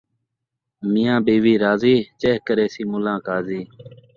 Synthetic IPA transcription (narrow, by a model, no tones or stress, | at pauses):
mɪjãːbeːʋiːɾaːziːt͡ʃeːɦkəɾeːsiːmʊlãːkaːziː